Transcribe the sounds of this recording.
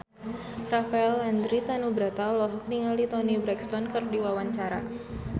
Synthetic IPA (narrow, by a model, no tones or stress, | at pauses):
rafaɛland̪ɾit̪anubɾat̪aɔlɔɦɔk̚niŋalit̪ɔnibɾɛkst̪ɔnkɨrdiwawaɲt͡ʃaɾa̰